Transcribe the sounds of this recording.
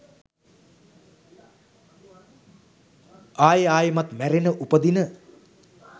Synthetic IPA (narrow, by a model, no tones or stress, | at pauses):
aːjaːjəmat̪mæɾenəʔupəd̪inə